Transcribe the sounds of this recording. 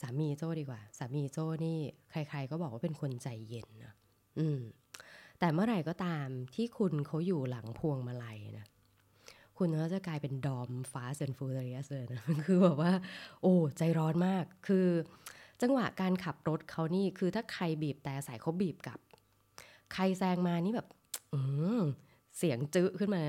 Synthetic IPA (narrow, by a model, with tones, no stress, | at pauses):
saː˩˦miː˧t͡ɕoː˥˩diː˧kwaː˨˩saː˩˦miː˧t͡ɕoː˥˩niː˥˩kʰɾa˧jkʰɾa˧jkɔː˥˩bɔː˨˩k̚waː˥pe˧nkʰo˧nt͡ɕa˧jːe˧nːɔ˦˥ | ʔɯː˧m | t̪ɛː˨˩mɯ˥˩ɐ˨ɾa˧˩jkɔː˥˩t̪aː˧mt̪ʰiː˥˩kʰu˧nkʰa˦˥wjuː˨˩la˩˦ŋpʰu˧əŋma˧la˧jna˦˥ | kʰu˧nʰ˧a˦˥˩t͡ɕa˨˩klaː˧jpe˧ndɔː˧mfaː˦˥se˧nfuː˧t̪a˧ɾi˦˥a˥˩sɯː˧˩na˦˥kʰɯː˧bɛː˨˩k̚waː˥˩ʔoː˨˩t͡ɕa˧jɾɔː˦˥nmaː˥˩kʰːɯː˧t͡ɕa˧ŋwa̰˨˩ʔkaː˧nkʰa˨˩p̚ɾo˦˥t̪̚kʰa˦˥wniː˥˩kʰɯː˧t̪ʰaː˥˩kʰɾa˧jbiː˨˩p̚t̪ɛː˨˩ʔa˧sa˨˩˦jkʰa˦˥wbiː˨˩p̚ka̰˨˩p̚ | kʰa˧jsɛː˧ŋmaː˧niː˥˩bɛː˨˩p̚ | ʔɯː˧ | si˨˩˦əŋt͡ɕɯ˦˥ʔkʰɯ˥˩nmaː˧˦˥